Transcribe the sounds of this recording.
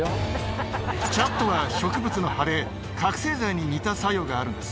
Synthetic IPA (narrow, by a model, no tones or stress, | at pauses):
t͡ɕat̪ːoβaɕo̞kɯ̟bɯ̟t͡sɨno̞haɾe̞ | kakɯ̟̥se̞ːzaiɲ̟iɲ̟it̪asajo̞ːɡaːɾɯ̟̃nd̪e̞sɨ̥